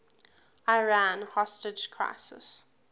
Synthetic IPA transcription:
aɪɹãnhɔstɪd͡ʒkʰɹ̥a̰ɪsə̰s

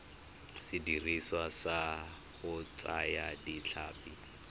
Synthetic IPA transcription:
sɪdiriswasa | hʊt͡sʼajadit͡ɬʰaːpʼi

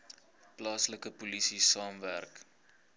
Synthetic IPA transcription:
plɑːsləkəpolisisɑːmværk

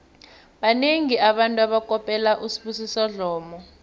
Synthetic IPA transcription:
ɓaneŋiʔaɓantʼuaɓakʼɔpʼɛlaʔusi̥ɓusisɔɮɔːmɔ

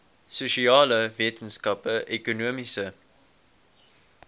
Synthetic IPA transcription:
suʃiɑːləviətənskɐpəʔekonuəmisə

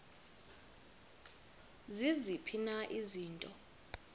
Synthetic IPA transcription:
zizipʰinaʔiziːntʼɔ

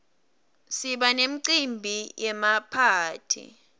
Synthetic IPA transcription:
siɓanem̩ǀimbʱijɛmapʰaːtʰḭ

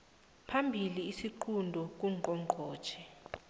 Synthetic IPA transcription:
pʰambʱiliːsiǃʰundʱɔk̬uǃɔŋŋ͡ǃʱɔːd̥ʒ̥ʰʱɛ

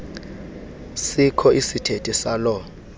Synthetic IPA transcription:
sikʰɔʔisitʰetʼisalɔ

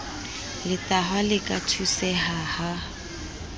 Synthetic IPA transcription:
lɪtaɦwalɪkʼatʰusɛɦaha

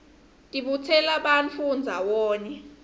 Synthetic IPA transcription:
tʼiɓutʰɛlaɓant͡fʰund͡zʱawɔːnɛ

